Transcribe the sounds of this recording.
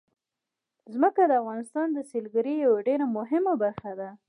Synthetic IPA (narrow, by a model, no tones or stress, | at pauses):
zməkad̪əafɣɑnɪst̪ɑnd̪əselɡaɾijawaɖeɾamʊɦɪmabaɾxad̪a